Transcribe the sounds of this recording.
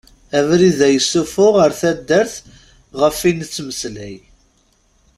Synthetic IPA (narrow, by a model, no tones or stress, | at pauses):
ævɾiðæjəsːufʊʁəɾθæd̪ːəɾθ | ʁəfint͡sːməslæj